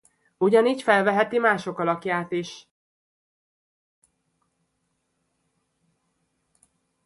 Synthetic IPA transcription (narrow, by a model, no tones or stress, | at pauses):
uɟɒniːcfɛlvɛɦɛt̪imaːʃo̞kɒlɒkjaːt̪iʃ